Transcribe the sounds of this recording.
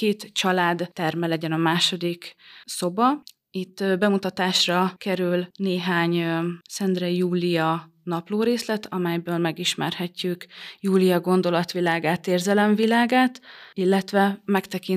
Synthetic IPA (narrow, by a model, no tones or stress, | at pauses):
keːt̪t͡ʃɒlaːd̪ːɛrmɛlɛɟɛnɒmaːʃo̞d̪ikso̞bɒ | it̪ːbɛmut̪ɒt̪aːʃrɒkɛɾylneːɦaːɲsɛnd̪rɛjuːlijɒ | nɒploːɾeːslɛt̪ʰɒmɛjbøːlmɛɡiʃmɛ̰rhɛcːykjuːlijɒɡo̞nd̪o̞lɒt̪ʋilaːɡaːt̪eːrzɛlɛɱvilaːɡaːt̪ilːɛt̪ʋɛmɛkt̪ɛkin